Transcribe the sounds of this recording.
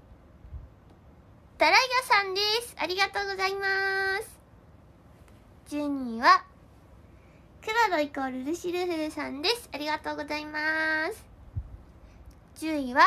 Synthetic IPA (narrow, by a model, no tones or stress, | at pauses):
d̪̥aɾaiɡʲosãnd̪e̞sɨ̥aɾʲiɡat̪o̞ːɡo̞zaimasɨ̥ | d͡ʑɨːɲ̟iːβa | kɯ̟βad̪o̞ikoɾɯ̟ɾɯ̟ɕiɾɯ̟hɯ̟ɾɯ̟sãnd̪e̞sɨ̥aɾʲiɡat̪o̞ːɡo̞zaimasɨ̥ | d͡ʑɨːiβa